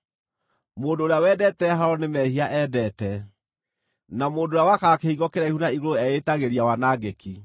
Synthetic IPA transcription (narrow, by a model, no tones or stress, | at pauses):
moːndoːɾejawɛdɛtɛɦaɾɔnemɛhiaʔɛdɛtɛ | namoːndoːɾjawakakehiɣɔkeɾaihunaiɣooɛetaɣeɾiawanaɡeki